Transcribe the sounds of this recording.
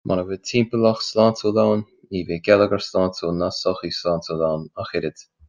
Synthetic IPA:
mʔanəvɪtʰiːmpəlaxslaːntoːlawn | iːveːɡɛləɡəɹslaːntʰoːnasɔxislaːntoːlawnaxɪɾɪd̥

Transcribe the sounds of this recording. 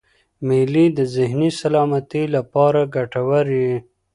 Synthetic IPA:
milid̪əzɪɦnisalɑːmat̪ilapɑːɾaɡaʈawaɾi

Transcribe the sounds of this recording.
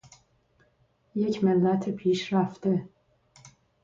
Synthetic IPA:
jecmɪlːæt̪ʰipʰiʃɾaft̪ɪ

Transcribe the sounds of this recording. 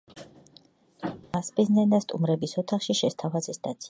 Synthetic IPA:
maspʼiznɛnd̪ast̪ʼṵmɾɛbisɔt̪ʰaχʃiʃɛst̪ʰavazɛsd̪at̪sʰi̥

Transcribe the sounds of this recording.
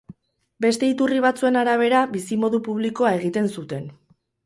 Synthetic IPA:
be̞st̪e̞it̪uriβ̞at͡sue̞naɾaβ̞e̞ɾaβisimo̞ðupuβliko̞ae̞ɣ̞it̪e̞nsut̪e̞n

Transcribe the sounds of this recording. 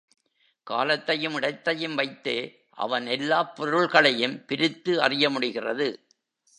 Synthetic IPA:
ka̰ːlɐt̪ːɐjɯmɪɽɐɪt̪ːɐjɯmʋɐɪt̪ːeː | ʔɐ̰ʋɐnɛlːaːpːɔɾɯɭɣɐɭɐjɯmpɪɾɪt̪ːɯɐ̰rɪjɐmʊɽɪɣɪrɐ̰ðɯ

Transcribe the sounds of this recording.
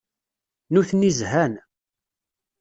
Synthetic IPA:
nuθnizhæn

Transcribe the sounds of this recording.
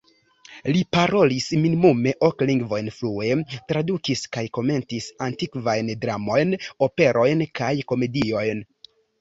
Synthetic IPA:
lipaɾo̞lisminimume̞ʔo̞kliŋɡvo̞jnflue̞tɾadukiskajko̞me̞ntisantikvajndɾamo̞jno̞pe̞ɾʔo̞jnkajko̞me̞dio̞jn

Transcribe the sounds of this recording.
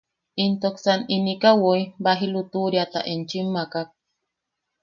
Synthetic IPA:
int̪oksaninikawoibaɦilut̪uɾjat̪a̰ʔent͡ʃimːakak̚

